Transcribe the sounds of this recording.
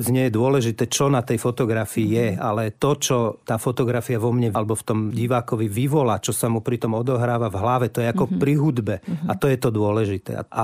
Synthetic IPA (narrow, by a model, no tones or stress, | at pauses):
d͡zɲɪɛjɛd̪ʊɔlɛʒit̪ɛːt͡ʃɔnat̪ɛjfɔt̪ɔɡɾafiijɛalɛt̪ɔt͡ʃɔt̪aːfɔt̪ɔɡɾafiaʋɔmɲɛlɛbɔft̪ɔmɟiʋaːkɔʋiʋiʋɔlaːt͡ʃɔsamupɾit̪ɔmɔd̪ɔɦɾaːʋavɦlaʋɛt̪ɔjɛakɔpɾiɦud̪bɛat̪ɔjɛt̪ɔd̪ʊɔlɛʒit̪ɛ̰ːa̰ʔa